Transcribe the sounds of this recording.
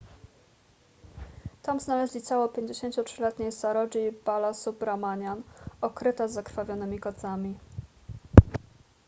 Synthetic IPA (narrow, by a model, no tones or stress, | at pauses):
t̪amznalɛʑlʲit̪sawɔpʲjeɲd͡ʑeɕeɲt͡ɕutʂɘlɛt̪ɲejsaɾɔd͡ʑibalasubɾamaɲanɔkɾɘt̪azakɾfavʲjɔnɘmʲikɔd̪zamʲi